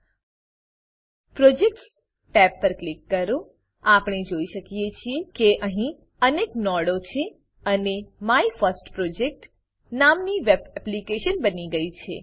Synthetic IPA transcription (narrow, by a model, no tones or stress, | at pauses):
pɾod͡ʒek̚ʈs | ʈɛpːəɾklikːəɾũ | apɳ̃ed͡ʒoiʃəkijet͡ʃʰiekeʔəɦĩ | əneknɔɽot͡ʃʰe | ənemaifəɾsʈpɾod͡ʒek̚ʈ | namniʋebɛplikeʃənbəniɡəit͡ʃʰḛ